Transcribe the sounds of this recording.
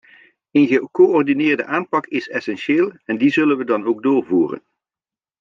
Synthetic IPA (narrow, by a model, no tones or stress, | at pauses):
ənɣəkoɔrdinɪːɹdəʔaːnpɑkɪsɛsɛnʃeːlˠɛndizɵlənʋədɑnowɡ̚dʊːɹvuːrə̰n